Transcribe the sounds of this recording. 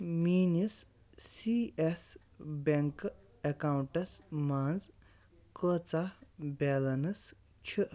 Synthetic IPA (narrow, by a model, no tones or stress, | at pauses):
miːnisː | ies | beŋk | ekawuɳʈɐsmaːnz | kəːt͡sabʲɛlɐnɐs | t͡ʃʰiʔ